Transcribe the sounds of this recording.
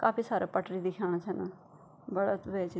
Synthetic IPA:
kaːpiːsaːɾaːpəʈɾiːd̪ɪkʰaːɽ̃at͡ʃʰɛːnaː | bəɽat̪ʋeːt͡ʃi

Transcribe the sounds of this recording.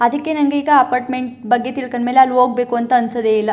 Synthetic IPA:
ɐd̪ɐkːenɐŋɡeiːɡɐɐpaːɾʈmeɳʈbɐɡːet̪iɭkɐɳmeːleaːlːuoːɡ̚be̞ːkuɐnt̪ɐɐnsɐd̪eːilːɐ

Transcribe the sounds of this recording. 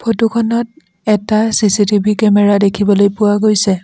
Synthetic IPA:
pʰotukʰɔnɔt̚ | ɛtasisitibʱikɛmɛɹadekʰibɔlojpʊwaɡojsɛ

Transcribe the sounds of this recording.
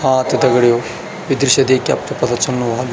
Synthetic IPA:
haːt̪id̪ɐɡɐɽijoː | ʋid̪ɾʃɐd̪eːkjɐ̰p̚t̪ɐpɐt̪ʰɐt͡ʃɐnːuʋaːɡ

